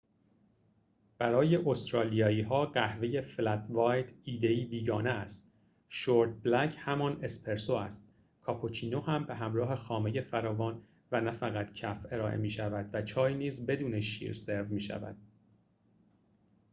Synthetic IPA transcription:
b̥æɾɒːje̞ʔost̪ɾɒːlijɒːiːɦɒːɢæhve̞je̞flæt̪vɒːjt̪iːd̪e̞iːbiːɡɒːneæst̪ | ʃoɾt̪̚blæcʰhæmɒne̞spʰe̞ɾsoæst̪̚ | kʰɒːpʰot͡ʃʰiːnohæmbeɦæmɾɒːɦe̞xɒːme̞je̞fæɾɒːvɒːn | vænæfæɣæt̪cʰæfe̞ɾɒːʔḛmiːʃævæd̪̥væt͡ʃʰɒːjniːzbe̞d̪uːne̞ʃḭːɾse̞ɾvmiːʃæ̰væ̰d̪̥̚

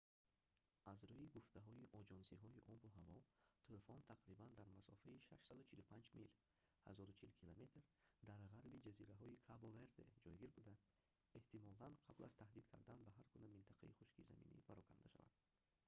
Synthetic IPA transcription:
azɾɔiɡuft̪ʰaɦɔiʔɔd͡ʒɔnsiɦɔiʔɔbuɦavɔt̪ʰelefɔnt̪ʰaqɾiband̪aɾmasɔ̰faiʃa̰ʃsad̪ut͡ʃʰilupʰand͡ʒmil | ha̰zɔɾut͡ʃʰilkʰilome̞t̪ɾd̪aɾʁaɾbid͡ʒaziɾaɦɔikʰaboveɾd̪ḛd͡ʒɔjɡiɾbud̪a | e̞ht̪ʰimɔlanqʰabla̰z̥t̪ʰahd̪id̪kʰa̰ɾd̪anbaɦaɾkunamint̪ʰaqʰa̰iχuʃkiza̰mḭnḭpaɾɔkʰa̰nd̪aʃa̰va̰d̪̥

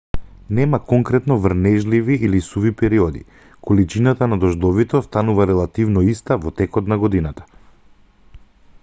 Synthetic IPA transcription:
nɛmakɔŋkɾɛt̪nɔvɾnɛʒliviilisuvipɛɾiɔd̪ḭ | kɔlit͡ʃinat̪anad̪ɔʒd̪ɔvit̪ɛst̪anuvaɾɛlˠat̪ivnɔist̪avɔt̪ɛkɔt̪naɡɔd̪inat̪ḁ

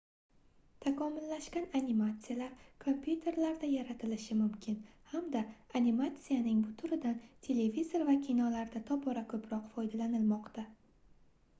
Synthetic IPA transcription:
t̪ʰakʰɒmɪlːaʃkʲananimat̪sɨjalaɾkʰo̞mpʰʲjut̪ʰe̞ɾlaɾd̪ajaɾat̪ʰɪlɪʃɪmʊmkʲʰɪnhamd̪aːnimat̪sijanɪŋbʊt̪ʰʊɾɪd̪ant̪ʰe̞levizo̞ɾvakʲʰinɒlaɾd̪at̪ʰɒpʰɒɾakʰɵpʰɾɒqfɒjd̪alanɪlmɒqt̪a

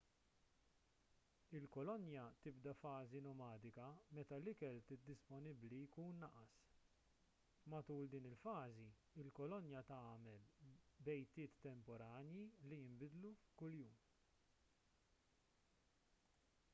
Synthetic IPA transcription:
ɪlkɔlɔnjɐt̪ɪbd̪ɐfɐːzinɔmɐːd̪ɪkɐmɛt̪ɐlɪkɛlt̪ɪt̪̚ːɪspɔnɪblijkuːnːɐʔɐs | mɐt̪uːld̪iːnɪlfɐːzi | ɪlkɔlɔnjɐt̪ɐːmɛlbɛjt̪ːɪːt̪ːɛmpɔɾɐːnjilijɪmbɪd̪lufkʊljuːm

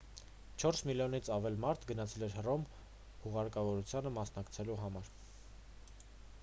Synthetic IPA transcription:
t͡ʃʰɔɾsmiljɔnit͡sʰɑvɛlmɑɾt̪ʰɡənɑt͡sʰɛlɛɾhərɔm | huʁɑɾkɑvɔɾut͡sʰjɑnəmɑsnɑkt͡sʰɛluɦɑmɑɾ

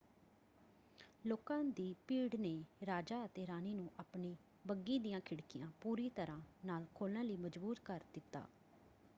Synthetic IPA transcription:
loːkãːd̪iːpiːɽneːɾaːd͡ʒaːət̪eːɾaːniːnũːʔaːpɳiː | bəɡiːd̪ijãːkʰɪɽkɪjãːpuːɾiːt̪əɾãːnaːlkʰoːlnãːləiːməd͡ʒbuːɾkəɾd̪ɪt̪ːa̰ː

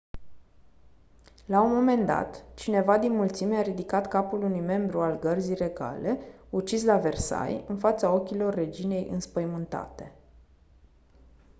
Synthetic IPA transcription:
launmo̞me̞nd̪a̰t̪t͡ʃine̞vad̪inmult̪sime̞aɾid̪ikat̪kapulunujme̞mbɾualɡərzijre̞ɡa̰le̞ut͡ʃislave̞rsa̰jɨnfat̪sao̞kʲilo̞rːe̞d͡ʒine̞jʔɨ̰nspəjmɨnt̪a̰t̪e̞

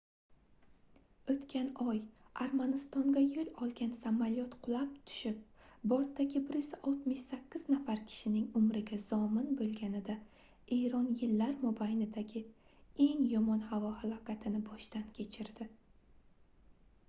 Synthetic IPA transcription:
ɵt̪kʲʰanɒj | aɾmanɪst̪ɒŋd̪ajolɒlˠɡʲansamaljɒt̪qʰʊlˠap̚t̪ʰʊ̥ʃɪp̚ | bɒɾt̪ːaɡʲɪbɪɾɪsaʔɒlˠt̪mɪʃsakʲʰːɪz̥nafaɾkʲʰɪ̥ʃɪnɪŋʊmɾɪɡʲazɒmɪnbolˠɡʲanɪd̪a | e̞jɾɒnjɪlːaɾmobajnɪd̪aɡʲɪe̞ŋjɒmɒnhavɒhalˠɒkʲʰat̪ʰɪnɪbɒʃt̪ankʲʰe̞t͡ʃʰɪɾd̪ɪ

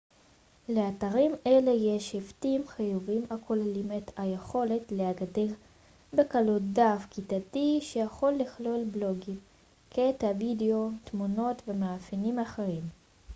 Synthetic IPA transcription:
le̞ataʁimʔe̞le̞jeʃeftimχajuvimakʰolalimetajeχo̞le̞tleaɡadeʁ | be̞kalut̚dafkitatiʃe̞jaχo̞lːiχlo̞lblo̞ɡim | kʰetavideo̞tmuno̞tvemaafinimaχeʁim

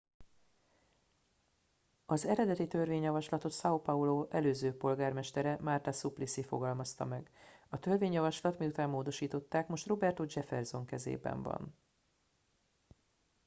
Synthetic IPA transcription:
ɒzɛɾɛd̪ɛt̪it̪ø̞rveːɲjɒvɒʃlɒt̪o̞t̪sɒopɒuloːʔɛløːzøːpo̞lɡaːrmɛʃt̪ɛɾɛmart̪ɒsuplisifoɡɒlmɒst̪ɒ̰mɛɡɒt̪ø̞rveːɲjɒvɒʃlɒt̪miut̪aːmːoːd̪o̞ʃiːt̪o̞t̪ːaːkmo̞ʃt̪ro̞bɛrt̪od͡ʒɛfɛrzo̞ŋkɛzḛːbɛ̰ɱvɒ̰n

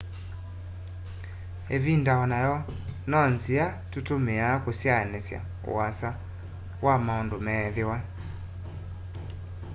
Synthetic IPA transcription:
eβindaɔnajɔ | nɔnziatutomeakosjanesja̰ | o̰asa | wamaɔndomɛðewa

